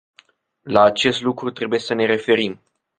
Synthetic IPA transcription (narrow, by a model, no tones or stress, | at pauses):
laːt͡ʃe̞st̪lukɾut̪ɾe̞buje̞səne̞ɾe̞fe̞ɾim